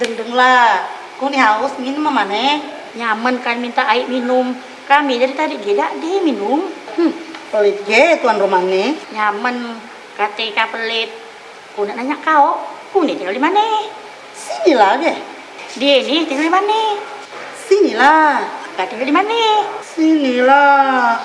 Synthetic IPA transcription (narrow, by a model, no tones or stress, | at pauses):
dəŋdəŋla | kuniɦaʊsminumamanɛ | ɲamənkanmint̪aʔaiʔminum | kamid͡ʒaɾit̪adiʔɡɛdaʔdiɛminum̩ | pəlit̪̚ɡɛt̪uanromanɛɲamən | kat̪eikapəlɪt̪̚ | kunaʔnaɲaʔkaɔʔkunɛt̪iŋaldimanɛ | sinilaɡɛ | dieniht̪iŋaldimanɛ | sinilaakat̪iŋadimanɛsinila